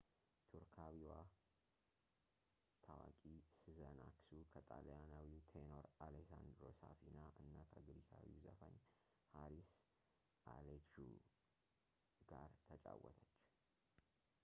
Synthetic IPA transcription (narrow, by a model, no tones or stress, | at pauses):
t̪ʰuɾkʰawiwa | t̪ʰawakʼisɨzənaksukʰət̪ʼaljanawiwt̪ʰeno̞ɾalesand̪ɾo̞safinaʔɨnːakʰəɡɨɾisʰawiwzəfəɲ | haɾis | ʔalekʃu | ɡ̥aɾt̪ʰət͡ʃʼawːət̪ʰət͡ʃː